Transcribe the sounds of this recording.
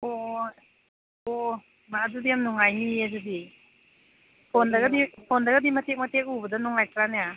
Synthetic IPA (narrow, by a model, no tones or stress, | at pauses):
o | o | madudijamnuŋajniɐdudi | pʰondɐɡɐdipʰondɐɡɐdimɐtʰek̚mɐtʰek̚ubɐdɐnuŋajkɾaneja